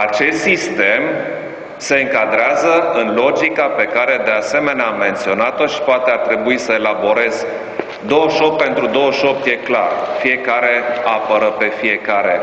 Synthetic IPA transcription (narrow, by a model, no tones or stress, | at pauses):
at͡ʃe̞st̪sist̪e̞m | se̞ɨŋkad̪ɾeazəɨnlo̞d͡ʒikape̞kaɾe̞d̪e̞ase̞me̞neaamːe̞nt̪sio̞nat̪o̞ʃi̥poat̪e̞art̪ɾe̞buisəe̞labo̞ɾe̞z | d̪o̞wəʃo̞p̚pːe̞nt̪ɾud̪o̞wəʃo̞p̚t̪je̞kla̰rfije̞kaɾe̞apəɾəpe̞fije̞kaɾe̞